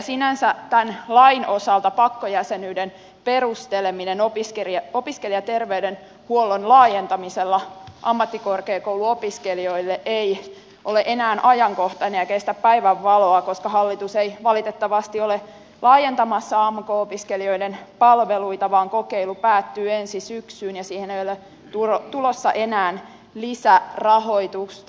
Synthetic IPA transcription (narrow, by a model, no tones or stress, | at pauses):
sinænsæt̪ænlɑinʔo̞sɑlt̪ɑpɑkːojæsenyːden | perust̪eleminenopiskeriɑopiskeliɑt̪erʋeyden | huolonlɑːjent̪ɑmiselːɑʔɑmːɑt̪ːikorkeːkowluopiskelioilːeʔei | ʔoleʔenæːnʔɑjɑŋkoht̪ɑnejɑkest̪æppæiʋæʋːɑloɑkoskɑhɑlːit̪useiʋɑlit̪et̪ːɑʋɑst̪iole | lɑːjent̪ɑmɑsːɑɑːmukoopiskelio̞idenpɑlʋeluit̪ɑʋɑːŋkokeilupæːt̪ːyːensisyksyːnjɑsiːhenejole | t̪uot̪ulosːɑʔenæːn | lisærɑho̞it̪us